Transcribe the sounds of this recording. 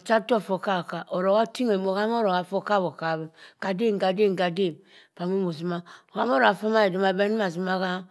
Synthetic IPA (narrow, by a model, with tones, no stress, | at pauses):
t͡ʃa˦to˦˨fo˨ka˦˨ka˨ʔo˨ɾo˨ka˦ti˦ŋe˨mo˨ka˦m˦o˦ɾo˨ka˨fo˦ka˦˨βo˨ka˨βe˦ka˨de˦ŋ˨ɡa˨de˦˨ɡa˨de˦˨m˨ | pa˨mo˦mo˨zi˨ma˦o˨ka˦m˦o˦ɾo˨ɡa˨fo˦ma˦e˨di˨ma˨be˦n˦ma˨zi˨ma˦ka˦